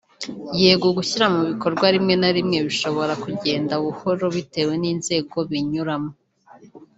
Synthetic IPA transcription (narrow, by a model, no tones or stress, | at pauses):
jeːɡuɡuçiɾamuβiko̞ɾɡwaɾimŋe̞naɾimŋe̞βiʃo̞βo̞ɾakuɟe̞ːndauβuho̞ɾo̞βite̞ːwe̞niːnze̞ːɡo̞βiɲuɾamo